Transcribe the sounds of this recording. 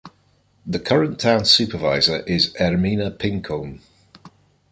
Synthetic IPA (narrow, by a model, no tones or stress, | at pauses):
ðəkʰʌɹə̃ntʰãʊ̃nsʉˑpʰəva̰ɪzəɹʔɪzɛɹmiːnəpʰɪ̃ŋkʰõn